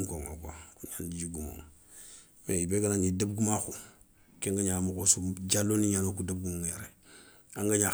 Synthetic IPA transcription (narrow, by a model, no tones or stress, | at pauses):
koŋo̰ka̰kuɲandid͡ʒuɡumo̰ŋ | meibeɡanaŋidəb̚ɡumaxu | keŋɡaɲamukosud͡ʒalːoniɲanokudəb̚ɡumoŋjaɾe | aŋɡaɲa